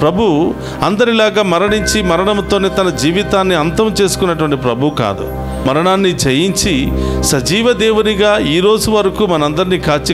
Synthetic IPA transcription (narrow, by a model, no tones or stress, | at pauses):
pɾɐbʱu | ɐnd̪ɐɾilaːɡaːmɐɾɐɳiɲt͡ʃimɐɾɐɳɐmt̪o̞ːneːt̪ɐnɐd͡ʒiːʋit̪aːnːiɐnt̪ɐmt͡ʃe̞ːsu̥kunːɐʈ̬uʋɐɳʈip̬ɾɐbʱuka̰ːd̪ṵ | mɐɾɐɳaːnːit͡ʃejiɲt͡ʃisɐd͡ʒiːʋɐd̪eːʋuniɡaːiːɾo̞ːd͡ʒuʋɐɾɐkuːmɐnɐɐnd̪ɐɾniːkʰaːɾt͡ʃi